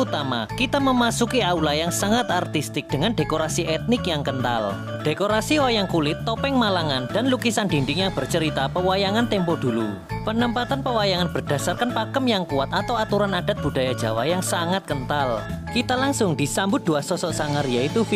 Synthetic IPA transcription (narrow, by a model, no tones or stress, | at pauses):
ut̪ama̰kit̪aməmasukiaulajaŋsaŋat̪art̪ist̪ɪk̚d̥əŋanɖekoɾasiʔɛt̪̚nɪkjaŋkənt̪a̰l | d̥ekoɾasiwajaŋkulɪt̪ːɔpɛŋmalaŋand̥a̤nlukisandinɖɪŋjaŋb̥ərt͡ʃəɾit̪apəwajaŋant̪ɛmpɔd̥ulu | pənəmpat̪anpəwajaŋanb̥ərd̥a̤sarkanpakəmjaŋkuat̪at̪awat̪uɾanad̥a̤t̪̚b̥ṳd̥a̤jad̥d͡ʒ̥a̤wajaŋsaŋat̪̚kənt̪alkit̪alaŋsʊŋd̪̥isambʊt̪̚d̪̥uasɔsɔʔsaŋaɾjait̪uf